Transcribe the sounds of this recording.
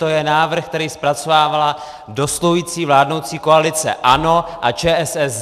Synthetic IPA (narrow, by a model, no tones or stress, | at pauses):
t̪ojɛnaːvr̩xkt̪ɛɾiːspɾat͡sovaːvala | do̞sloɦujiːt͡siːvlaːdno̞wt͡siːko̞alɪt͡sɛ̰ʔano̞ʔat͡ʃɛːʔɛsɛs